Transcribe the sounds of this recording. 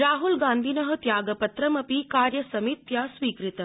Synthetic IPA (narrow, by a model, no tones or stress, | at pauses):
ɾaːɦulɡãːnd̪ʱiːnɐɦɐ̆t̪jaːɡɐpɐt̪ɾɐmɐpikaːɾjɐsɐmit̪jaːsʋiːkɾit̪ɐ